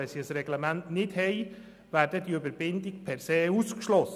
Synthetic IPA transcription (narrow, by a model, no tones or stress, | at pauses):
ɛsiəsɾɛɡlɛmæntnɪthɛɪ | ʋæːɾdədiøbəɾbɪndɪkpʰɛɾseːuskʃlɔs